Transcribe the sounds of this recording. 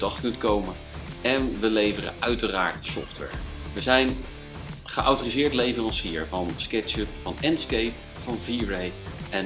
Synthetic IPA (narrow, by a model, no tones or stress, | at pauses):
dɑχtkɵntkowmə | ɛnʋəlejvərə̰ʔœɥtəra̰ːɹtsɔ̰ftʋɛ̰ɹʋəzɛjn | χəʔawtoːrizɪːɹtlejvərɑnsiːəɹvɑnskɛt͡ʃəpfɑnɛnskejp | fɑnviːɹejʔɛn